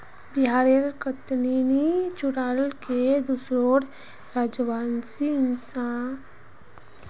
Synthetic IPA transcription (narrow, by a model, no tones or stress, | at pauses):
biɦaːɾeɾkət̪ninit͡ʃuɾaːlked̪usɾoɽ | ɾaːd͡ʒbaːnsiɪnsã